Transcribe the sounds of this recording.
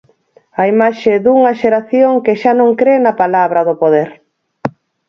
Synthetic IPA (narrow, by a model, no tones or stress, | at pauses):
ɐimaʃeðuŋɐʃeɾaθjoŋkɪʃanõŋkɾenɐpalaβɾɐðʊpoðeɾ